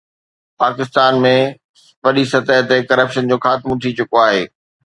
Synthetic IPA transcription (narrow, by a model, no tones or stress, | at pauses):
paːkɪst̪aːnmẽ | ʋɐɗisɐt̪əɦt̪ekɐɾəpʃənd͡ʑoːxaːt̪ɪmʊ̃t̪ʰit͡ɕʊkoaːɦeː